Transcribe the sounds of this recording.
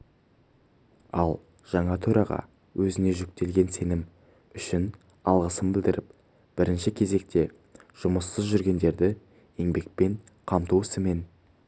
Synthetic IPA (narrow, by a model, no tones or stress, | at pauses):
ɑlˠ | ʒ̥ɑɴɑt̪ʰɵɾɑʁɑ̰ | wʔɵzɪne̞ʒʏk̚t̪e̞lɡʲe̞nse̞nɪm | ʏʃɪn | ɑlˠʁəsəmbɪld̪ɪɾʔɪp | b̥ɪɾɪnʃɪkʲʰe̞ze̞k̚t̪e̞ | ʒ̥ʊməsːəzʒʏɾɡʲe̞nd̪e̞ɾd̪ɪ | je̞ŋbe̞k̚pe̞ɴ | qʰɑmt̪uɪsɪme̞n